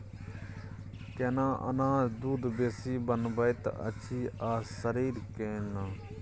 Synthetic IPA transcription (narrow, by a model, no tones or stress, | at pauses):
keːnãːʔə̰nãːd̪uːd̪beːsiːbənbəjt̪ə̰t͡ʃʰiːaːsəɾiːɾkẽːnãː